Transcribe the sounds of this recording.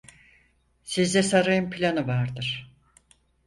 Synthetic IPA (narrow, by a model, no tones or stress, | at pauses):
sizd̪ɛsaɾajɯmpʰilʲanɯvaɾd̪ɯɾ̥